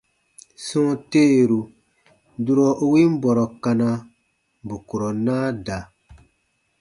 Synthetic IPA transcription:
sɔ̃˦te˦˨ɾu˨ | du˦ɾɔ˦ʔo˦wi˦m̩˦bɔ˨ɾɔ˨ka˧na˧˨ | bu˨ku˨ɾɔ˨naː˦da˨

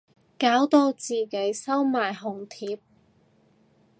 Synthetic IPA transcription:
kaː˨˥wt̪o˧wt͡siː˨ke˨˥jsɐ˥wmaː˨˩jɦʊ˨˩ŋt̪ʰiː˨˧p̚

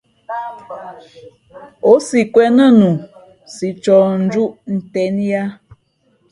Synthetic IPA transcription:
o˦si˨kʷwɛ˦na˦nu˨ | si˨t͡ʃɔ˨n̩˦d͡ʒu˦ʔn̩˨tɛ˦n˦ja˦

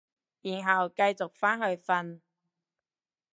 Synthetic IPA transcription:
jiː˨˩nɦɐ˨wkɐ˧jt͡sʊ˨k̚faː˥nhɵ˧ɥfɐ˧n

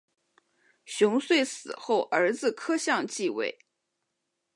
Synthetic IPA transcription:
ɕjʊ˧˥ŋswe˥˩ɪsɹ̩˨˩xo˥˩ʊʔə˞˧˥d͡zɹ̩˧kʰɤ˥ɕjɑ˥˧ŋt͡ɕi˥˧wḛ˥˩ɪ

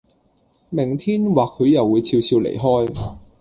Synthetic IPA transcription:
mɪ˨˩ŋt̪ʰiː˥nwaː˨˩k̚ʰːɵ˨˧ɥjɐ˨wːuː˨˧jt͡sʰiː˧wsʰiː˧wlḛ˨˩jɦɔː˥j

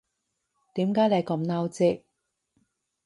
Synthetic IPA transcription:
t̪iː˨˥mkaː˨˥jle˨˧jkɐ˨˧mnaː˧wt͡sɪ˧k̚

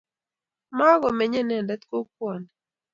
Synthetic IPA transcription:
ma˦ɡɔ˨mɛ˨ɲɛ˦nɛ˨ndɛ˦t̪ko˦k̚wɔ˨nɛ˨

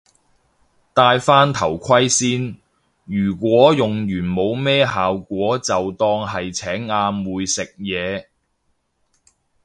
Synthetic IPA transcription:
t̪aː˧jfaː˥nt̪ʰɐ˨˩wkʷʰɐ˥jsiː˥n | jyː˨˩kʷɔː˨˥jʊ˨ŋjyː˨˩nmo˨˧wmɛː˥ɦaː˨wkʷɔː˨˥t͡sɐ˨wt̪ɔː˧ŋɦɐ˨jt͡sʰɛː˨˥ŋaː˧mwuː˨˧jsɪ˨k̚jɛː˨˧

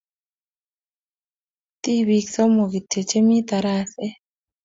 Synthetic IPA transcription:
t̪i˦wi˨ksɔ˦mo˨ɡi˨tʰe˨t͡ʃe˦mi˦t̪a˨ɾa˦sɛ˦

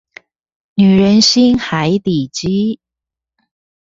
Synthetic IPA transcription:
ny˨˩ɻə˧˦nɕi˥nxa˧˦ɪt̪i˨˩t͡ɕi˦˥

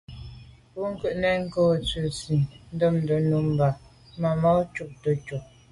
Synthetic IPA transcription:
pu˦ŋ̩˦kʉ˦˨ʔnɛ˨ŋ̩˦koː˦˨t͡sʉ˨si˨n̩˦də˦˨mn̩˨də˨nu˨˦m˨ba˨ | ma˨ma˦t͡ʃu˦˨ʔ̚tə˨t͡ʃu˨

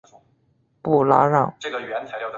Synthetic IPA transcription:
pu˥˩la̰˧˥ɻɑ˥˩ŋ˥˩˧nʰ˧˥˧

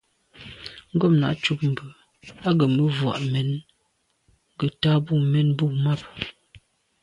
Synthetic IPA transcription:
ŋ̩˦ɡɔ˦˨m̚na̰˨ʔt͡ʃu˦p̚m̩˨bə˨ | a˦ɡə˨mə˦vwa̰˨ʔmɛ˨˦n˦ | ɡə˨ta˦bu˦˨mɛ˨˦nbu˦˨ma˦˨p̚

